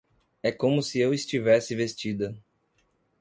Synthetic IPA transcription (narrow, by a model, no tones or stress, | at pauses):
ɛkõmʊsɪewɪst͡ʃivɛsɪvest͡ʃid̪ɐ